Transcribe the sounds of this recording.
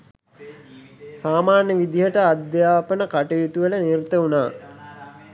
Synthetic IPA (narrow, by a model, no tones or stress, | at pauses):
saːmaːnjəʋid̪iɦəʈəad̪jaːpənəkaʈujut̪uʋələniɾt̪əunaː